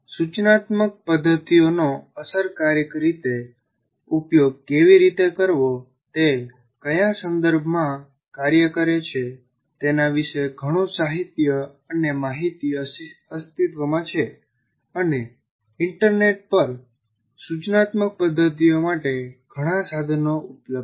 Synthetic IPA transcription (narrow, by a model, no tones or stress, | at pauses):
sut͡ʃnat̪mək̚pəd̪ʱːət̪ijonoəsəɾkaɾjəkɾit̪e | upjoɡ̚keʋiɾit̪ekəɾʋo | t̪e | kəjasənd̪əɾbʱmã | kaɾjəkəɾet͡ʃʰe | t̪enaʋiʃeɡʱəɽ̃õsaɦit̪jə | ənemaɦit̪iəst̪it̪ʋəmãt͡ʃʰe | əne | ɪɳʈəɾneʈ̚pəɾ | sut͡ʃnat̪mək̚pəd̪ʱːət̪̬ijomaʈeɡ̥ʱəɽ̃ãsad̪ʱnoʔupləb